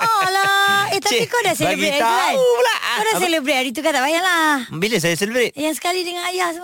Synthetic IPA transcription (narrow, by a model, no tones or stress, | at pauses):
ʔɔlaeht̪apikodaselebɾeaablaʔkodaselebɾeɾit̪̬ukat̪aʔbajalahmbiləsajaselibɾet̪jaŋsə̥kalidəŋanajas